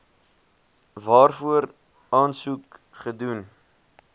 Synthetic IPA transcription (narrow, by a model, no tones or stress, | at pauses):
vɑːrfuəɾ | ɑːnsuk | χədun